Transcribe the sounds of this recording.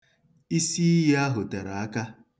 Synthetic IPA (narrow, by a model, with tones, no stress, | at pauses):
i˦si˦i˦je˦a˦ɦʊ˨te˨ɾa˨a˦ka˦